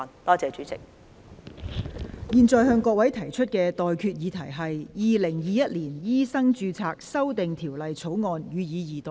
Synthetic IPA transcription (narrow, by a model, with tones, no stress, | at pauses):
nt̪ɔː˥t͡sɛː˧t͡ʃyː˨˥t͡sɪ̰˨k̚ | jiː˨nt͡sɔː˨˧jɦœː˧ŋkɔː˧k̚wɐ˨˥jt̪ʰɐ˨˩jt͡ʃʰɵ˥t̚kɛː˧t̪ɔː˨jkʰyː˧t̚jiː˨˧t̪ʰɐ˨˩jɦɐ˨jjiː˨lɪ˨˩ŋjiː˨jɐ˥t̚liː˨˩njiː˥sɐ˥ŋt͡ʃyː˧t͡sʰaː˧k̚sɐ˥wt̪ɪ˨ŋt̪ʰiː˨˩wlɐ˨jt͡sʰo˨˥wŋɔː˧njyː˨˧jiː˨˧jiː˨t̪ɔ˨